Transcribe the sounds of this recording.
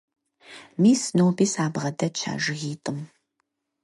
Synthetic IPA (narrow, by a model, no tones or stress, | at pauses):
miːsnowbiːsaːbʁɐdɐt͡ʃʰa̰ːʒɪɣiːtʼɨm